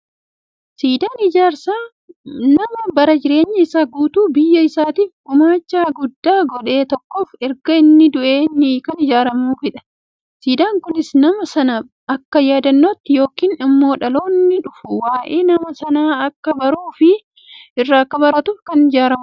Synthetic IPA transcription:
siːd̪aːnɪd͡ʒaːɾsaː | nɐmɐbɐɾɐd͡ʒɪɾe̞ːɲːɐɪsaːɡuːt̪uːbɪjːɐɪsaːt̪iːfʊmaːt͡ʃːaːɡʊd̪ːaːɡɔᶑe̞ːt̪ɔkːo̞ːfɛɾɡɐɪnːɪd̪ʊʔe̞ːnːɪkɐnɪd͡ʒaːɾɐmuːfɪᶑɐ̥ | siːd̪aːŋkʊnɪsnɐmɐsɐnɐ | ɐkːɐjaːd̪ɐnːoːt̪ːɪjo̞ːkiːnɐmːo̞ːᶑɐlo̞ːɪnːɪᶑʊfʊwaːʔeːnɐmɐsɐnaːɐkːɐbɐɾuːfɪ | ɪrːaːkːɐbɐɾɐt̪ʊfkɐnɪd͡ʒaːɾɐmʊ

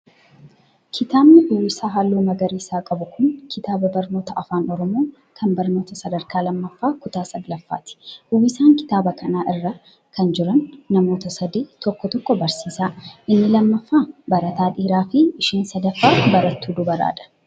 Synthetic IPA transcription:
kʰɪt̪aːbnɪʔʊwɪsaːɦaːlːoːnɐɡɐɾiːsaːkʼɐbʊkʊŋkʰɪt̪aːbɐbɐɾno̞ːt̪ɐʔɐfaːnɔɾɔmoː | kʰɐnbɐɾno̞ːt̪ɐsɐd̪ɐɾkaːlɐmːɐfːaːkʊt̪aːsɐɡlɐfːa̰ːt̪ɪ̥ʔʊwɪsaːŋkɪ̥t̪aːbɐkʰɐnaːʔɪrːɐ | kɐnd͡ʒɪɾɐnːɐmo̞ːt̪ɐsɐd̪iːt̪ɔkːɔt̪ɔkːɔbɐɾsiːsaːʔɪnːɪlɐmːɐfːaːbɐɾɐt̪aːᶑiːɾaːfɪɪʃeːnsɐd̪ɐfːaːbɐɾɐt̪ːuːd̪ʊbɐɾa̰ːᶑɐ̥

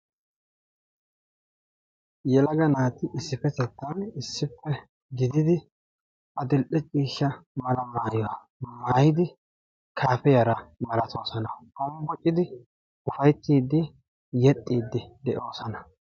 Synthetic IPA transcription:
jɛlɐɡɐnaːt̪ɪʔɪsːɪpːɛt̪ɛt̪ːɐnɪsːɪpːɛ | ɡɪd̪ɪd̪ɪ | ʔɐd̪ɪlɗɛt͡ʃʼiːʃːɐmɐlɐmaːjɔwa | maːjɪd̪ɪ | kʰaːpɛjɐɾɐmɐlɐt̪ʰoːsɐnɐkɔmbɔt͡ʃʼːɪd̪ɪ | ʊfɐjt̪ːiːd̪ːɪ | jɛt̪ʼːiːd̪ːɪd̪ɛʔoːsɐnɐ

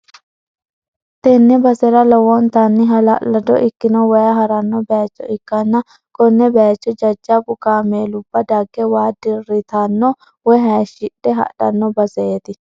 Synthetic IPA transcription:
t̪ɛnːɛbɐsɛɾɐlɔwɔnt̪ɐnːɪɦɐlɐ̰ʔlɐd̪ɔ̰ʔɪkːɪnɔwɐjɐɦɐɾɐnːɔbɛat͡ʃːɔ̰ɪkːɐnːɐ | kʼɔnːɛbɛjat͡ʃːɔd͡ʒɐd͡ʒːapʊkaːmeːlʊbːɐd̪ɐɡːɛwaːd̪ɪrːɪt̪ɐnːɔ | wɔɦɐʃɪɗɛɦɐ̰ᶑɐ̰nːɔbɐsɛeːt̪ɪ

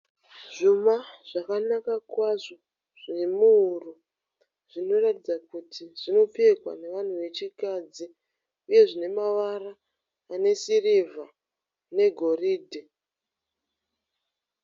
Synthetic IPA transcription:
ʐ̥umaʐ̥akanakakwaʐo̞ | ʐ̥inemuuru | ʐino̞ratid͡zakutʰiʐino̞p͡fekwa̰ne̞ʋan̤uʋe̞t͡ʃikad͡zi | uje̞ʐine̞maʋaraː | ne̞siriva | ne̞ɡʱo̞riːdʱe

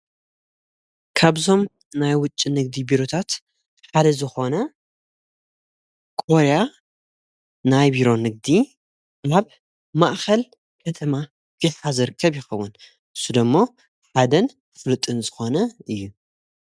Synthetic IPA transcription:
kʰaβzo̞m | najwʊt͡ʃʼːinɨɡ̚d̪ibiɾo̞t̪ʰat̪ | ħad̪ɐzɨxo̞nɐ | kʼo̞ɾja | najbiɾo̞nɨɡ̚d̪i | aβ | maʔxɐl | kʰɐt̪ʰɐma | biħʰazɨɾɨkʰːɐβjɪxɐwːun | ʔɨsːud̪ɐmːo̞ | ħad̪ɐn | fɨlɨt̪ʼːɨnzɨxo̞nɐɨjːu

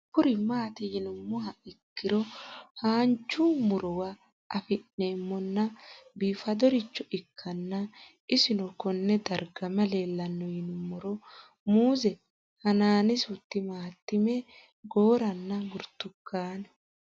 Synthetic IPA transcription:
pʊɾɪmaːt̪ɪjɪnʊmːʊɦɐɪkːɪɾɔhaːnt͡ʃːʊmʊɾɔwa | ʔɐfɪnːeːmːɔnːɐbiːfɐd̪ɔɾɪt͡ʃːɔʔɪkʰːɐnːɐ | ɪsɪnɔkɔnːɛd̪ɐɾɡɐmɐleːlːɐnːɔjɪnʊmːɔɾɔ | muːzɛ | hɐnaːnɪsʊt̪ːɪmaːt̪ːɪmɛ | ɡoːɾɐnːɐɡʊɾt̪ːʊkːaːnɛ

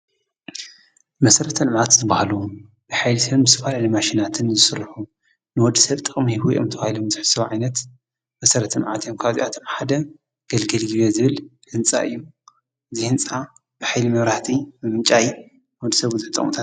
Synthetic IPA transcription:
mɐsɐɾɐt̪ʰɐlmʕat̪zɨbahlu | b̥ɨħajlisɐβbɨt̪ʰɐfalalɐjmaʃinat̪ʰɨnzɨsɨɾħu | nɨwɔd̪ːisɐβt̪ʼɨχʼmihuʔo̰mt̪ʰɐβahilomzɨħsɐβʕa̰jnɐt̪ | mɐsɐɾɐt̪ʰɐlʕat̪ʰjomkʰaβzḭʔat̪ʰomħad̪ɐ | ɡ̥ɐlɡɐlɡɨβezɨβɨlhɨnt͡sʼa̰ʔɨ̰jːu | ʔɨzihɨnt͡sʼa | b̥ɨħajlimɐβɾaht̪ʰimɨmɨt͡ʃʼaj | nwɔd̪ːisɐβzɨħt̪ʼɐ̰χmut̪ʰat̪

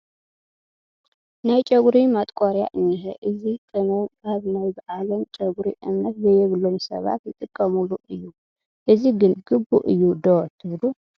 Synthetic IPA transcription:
najt͡ʃʼɐɡɾimat̪ʼkʷʼaɾja̰ʔɨnːɨxɛʔɨzikʰʼɨnɐaβnajbaʔalomt͡ʃʼɐɡuɾiʔɨmnɐt̪zɐjɛβlːomsɐ̰βa̰t̪jɨt̪ʼɨkʼːɐmuluʔɨjːu | ʔɨziɡɨnɡɨbːṵʔɨjːud̪ot̪ʰɨβlu

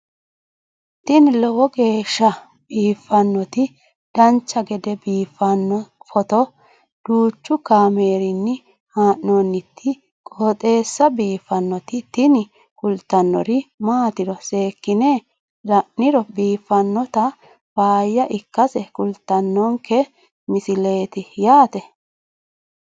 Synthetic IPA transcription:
t̪ɪnɪlɔwɔɡe̞ːʃːɐ | biːfːɐnːɔt̪ɪ | d̪̥ɐnt͡ʃːɐɡɛd̪ɛbiːfːɐnːɔfɔt̪ɔ | d̪̥uːt͡ʃːʊkaːme̞ːɾɪnːɪ | haːʔnonːɪt̪ʰːɪ | kʼoːt̪ʼe̞ːsːɐbiːfːɐnːɔt̪ɪt̪ɪnɪ | kʼʊlt̪ːɐnːɔ̰ɾɪmaːt̪ɪɾɔse̞ːkːɪneː | dɐʔːɪɾɔbiːfːɐnːɔt̪ɐ | faːjːɐʔɪkːɐsɛkʊlt̪ːɐnːɔŋkɛ | mɪsɪle̞ːt̪ɪjaːt̪ɛ

